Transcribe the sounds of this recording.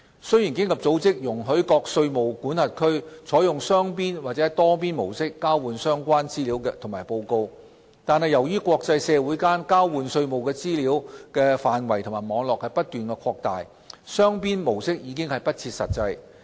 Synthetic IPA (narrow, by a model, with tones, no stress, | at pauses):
sɵ˥ɥjiː˨˩nkɪ˥ŋlɐ˨p̚t͡so˨˥wt͡sɪ˥k̚jʊ˨˩ŋɦɵ˨˥ɥkɔː˧k̚sɵ˧ɥmo˨wkuː˨˥nhɐ˨t̚kʰɵ˥ɥt͡sʰɔː˨˥jʊ˨ŋsœː˥ŋpiː˥nwaː˨˩t͡sɛː˨˥t̪ɔː˥piː˥nmo̰˨˩wsɪ˥kːaː˥wwuː˨˧nsœː˥ŋkʷaː˥nt͡siː˥liː˨˥wkɛː˧t̪ʰʊ˨˩ŋmaː˨˩jpo˧wko˧w | t̪aː˨nhɐ˨˩jɐ˨˩wjyː˥kʷɔː˧k̚t͡sɐ˧jsɛː˨˧wuː˨˥jkaː˥nkaː˥wwuː˨˧nsɵ˧ɥmo˨wkɛː˧t͡siː˥liː˨˥wkɛː˧faː˨nwɐ˨˩jt̪ʰʊ˨˩maː˨˩mɔː˨˧ŋlɔː˨k̚hɐ˨jpɐ˥t̚t̪yː˨˩nkɛː˧kʰɔː˧k̚t̪aː˨˩j | sœː˥ŋpiː˥nmo˨˩wsɪ˥k̚jiː˨˧kɪ˥ŋhɐ˨jpɐ˥t̚t͡sʰiː˧t̚sɐ̰˨t̚t͡sɐ˧j